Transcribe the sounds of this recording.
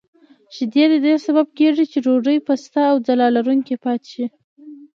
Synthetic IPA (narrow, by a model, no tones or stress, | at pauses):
ʒ̥ɪd̪jed̪əd̪esabab̚keʐit͡ʃeɾoʐəjpast̪aːwd͡zalɑlaɾuŋkepɑt̪e̥ʃi